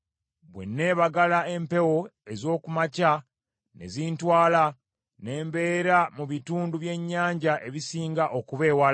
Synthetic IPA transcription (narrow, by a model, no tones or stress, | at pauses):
βwe̞̰nːe̞ːβaɡalae̞mpe̞wo̞e̞zo̞ːkumaca | ne̞̰ziːntwaːla | ne̞ːmbe̞ːɾamuβituːnduβje̞ɲːaːɲɟaʔe̞βisiːŋɡaʔokuβe̞ːwal